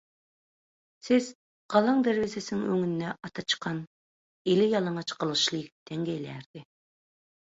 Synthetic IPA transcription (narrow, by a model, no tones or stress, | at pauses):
sɪz̥ | qɑlˠɑŋd̪æɾwɪzɪsɪnɪŋøŋynːɛɑt̪ʰɑt͡ʃʰə̥qʰːɑn | elɪjɑlˠɑɴɑt͡ʃʰqʰəlˠɨʃlˠək̚ʲd̪̥ɛŋɡʲɛjlɛɾd̪̥ɪ